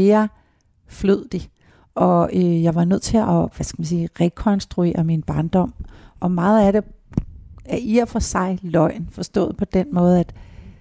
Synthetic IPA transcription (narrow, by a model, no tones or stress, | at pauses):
eːɐ | fløð̰ˠd̥i | ʔɒ̽øjɑ̈ɪʋɑ̈nøð̞̰ˠt͡sʰe̝lʔɒʋæskæmænsiːʁɛkʰɒ̽nsd̥ʁue̝̰ːɐminb̥ɑ̈ːnd̥ɒ̽m̰ʔɒ̽mɑ̈ːð̞̩ˠæɾe̝ | æɐʔiɐfɒsɑ̈ɪlɒ̽ɪ̰n̩fɒ̽sd̥ɔ̰̽ːð̩ˠpʰɒ̽d̥enmɔ̽ːð̞̩ˠæd̥